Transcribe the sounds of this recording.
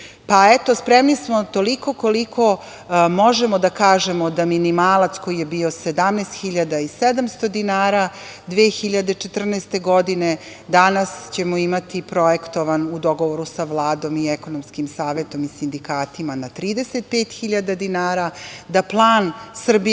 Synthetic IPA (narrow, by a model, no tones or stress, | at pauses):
paɛt̪ospɾemnismo̞t̪oliko̞ko̞likʰo̞ | mo̞ʒemod̪akaːʒemo̞d̪aminimaːlˠat̪sko̞jijebio̞sed̪amnest̪xiʎad̪aised̪amst̪o̞d̪inaːɾa | d̪ʋeːxiʎad̪et͡ʃet̪r̩nest̪e̞ɡod̪ine̞ | d̪anast͡ɕe̞moimat̪ipɾo̞ekt̪o̞ʋanud̪o̞ɡo̞ʋoɾusaʋlˠaːd̪o̞mieko̞nomskimsaːʋet̪o̞misind̪ikaːt̪imanat̪ɾiːd̪e̞set̪̚peːt̪xiʎad̪ad̪inaːɾad̪aplˠaːnsr̩bi